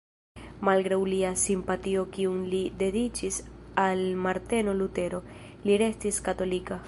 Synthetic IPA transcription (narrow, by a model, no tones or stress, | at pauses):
malɡɾawliasimpatio̞kiunlide̞dit͡ʃisalmaɾte̞no̞lute̞ɾo̞ | liɾe̞stiskato̞lika